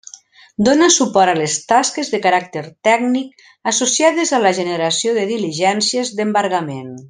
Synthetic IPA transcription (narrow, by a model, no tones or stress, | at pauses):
d̪onasupɔɾalest̪askezðəkaɾak̚t̪əɾt̪ɛɡnik̚ | asosiaðezaləʒənəɾasioðəðiliʒɛnsjəzðəmbaɾɣamen